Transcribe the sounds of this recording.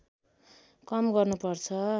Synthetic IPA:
kʌmɡʌrnupʌrt͡sʰʌ

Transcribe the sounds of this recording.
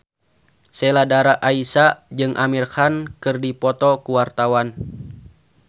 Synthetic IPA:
sɛladaɾaʔaisad͡ʒɨŋʔamirxankɨrdipɔt̪ɔkuwart̪awan

